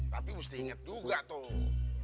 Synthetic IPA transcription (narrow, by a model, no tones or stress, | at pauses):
t̪apimust̪ihiŋət̪̚d͡ʒuɡat̪o